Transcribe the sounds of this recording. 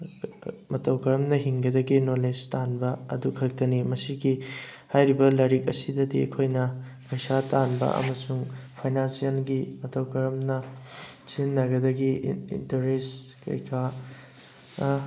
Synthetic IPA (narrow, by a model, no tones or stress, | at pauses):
mɐtɐwkɐɾɐmnɐɦiŋɡɐdɐɡinolestanbɐɐ̰dukʰɐk̚tɐnimɐsiɡihajɾibɐlɐɾikɐsidɐdiɐ̰kʰojnɐ | pɐjsatanbɐ̰ʔɐ̰mɐsuŋpʰajnansijɐnɡimɐtɐwkɐɾɐmnɐsinːɐɡɐdɐɡiḭntɐɾeskɐ̰jkʰa